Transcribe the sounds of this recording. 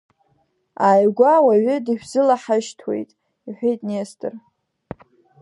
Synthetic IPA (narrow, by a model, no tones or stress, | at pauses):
aːjɡʷawaɥʏdiʃᶣzɨlaħaʃtʰwe̞̰jtʼ | iħʷᶣejtʼnestʰʼɨr